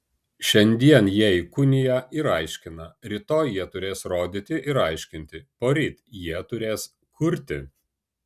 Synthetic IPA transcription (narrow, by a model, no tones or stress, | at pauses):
ʃʲɛnʲd̪ʲiɛnjiɛikʊnʲɪjæɪɾɑˑɪʃʲkʲɪnɐɾʲɪt̪oːjjiɛt̪ʊɾʲeːsɾoːd̪ʲɪt̪ʲɪʔɪɾɑˑɪʃʲkʲɪnʲt̪ʲɪpoːɾʲiːt̪ʲjiɛt̪ʊɾʲeːs | kʰʊɾʲt̪ʲɪ̰